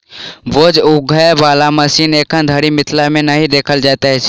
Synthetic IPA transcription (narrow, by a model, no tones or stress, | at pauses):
bod͡ʒʊɡʱəebaːlaməsiːneːkʰənd̪ʱəɽimɪt̪ʰlamẽnəɦĩd̪eːkʰəld͡ʒaːt̪aɦɛt͡ʃʰ